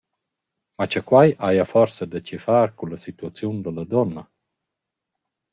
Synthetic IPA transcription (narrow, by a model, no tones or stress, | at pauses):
mat͡ʃəkwajʔajafɔɾsəd̪ət͡ʃifaɾkuləsit̪uat͡siund̪ələd̪ɔnːa